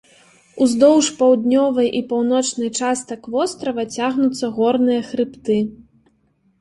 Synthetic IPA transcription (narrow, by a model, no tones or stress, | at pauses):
uzd̪ɔwʂpɐwd̪ʲnʲɔvɐjʔipawn̪ɔt͡ʂnɐjt͡ʂast̪ɐkvɔst̪ɾɐvɐt͡sʲaɣnut̪sːɐɣɔrnɨjɐxɾɨpt̪ɨ